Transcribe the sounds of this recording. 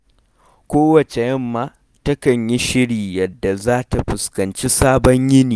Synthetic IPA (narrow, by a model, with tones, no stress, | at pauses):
kʷoː˦wɐ˨t͡ʃe˨jɐ˦mːaː˦ | tɐ˦kɐ˨ɲji˦ʃɪ˦ɽiː˨jɐ˨dːa˨zaː˦ta˨ɸʊ˨skɐ˨nt͡ʃi˦saː˦bɔ˦ɲjɪ˦niː˨